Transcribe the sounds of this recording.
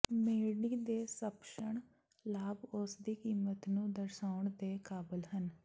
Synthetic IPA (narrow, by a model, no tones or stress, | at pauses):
meːɽiːd̪eːsəpʃəɳ̃ | laːbʊsd̪iːkiːmət̪nũːd̪əɾsaːʊɳd̪eːkaːbəlɦən